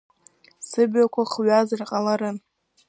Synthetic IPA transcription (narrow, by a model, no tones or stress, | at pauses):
sɨbɥakʷaχɥazarqʼalaɾɨ